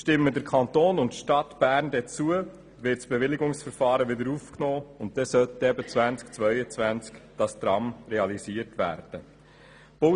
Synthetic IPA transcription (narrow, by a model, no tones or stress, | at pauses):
ʃtɪmːədəɾkʰɑnt̪oːnʊntʃtɑt̪b̥æːɾndɛt͡suə | ʋɪtsb̥eʋɪliɡʊŋsfəɾfɑːɾəʋɪd̪əɾuːfknoːʊntd̥̪ɛsœt̪ɛbət͡svænt͡skt͡sʋœʏət͡svænt͡skd̥ɑst̪ɾɑmrɛɑlisiəɾtʋæ̰ːɾd̥ə | b̥o